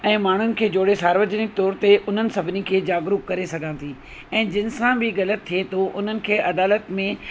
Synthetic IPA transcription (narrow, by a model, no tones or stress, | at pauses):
ɛ̃ːmaːɳ̤ʊnɪ̆kʰeːd͡ʑoːɽesaːɾʋəd͡ʑnɪk̚t̪ɔːɾt̪eʔʊn̤ənɪ̆sɐbʱɪnikʰeːd͡ʑaːɡɾukkːɐɾesɐɡʱãt̪ʰiː | ɛ̃ːd͡ʑɪnɪ̆sãbɪɣɐlət̪ʰːiet̪ʰoʔʊn̤ənɪ̆kʰeːʔɐd̪aːlət̪mẽ